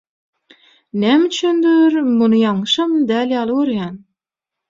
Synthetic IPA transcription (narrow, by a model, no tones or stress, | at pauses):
næmyt͡ʃʰynd̪yɾmunujɑʃɯmd̪æːljɑːlˠɯøɾjæn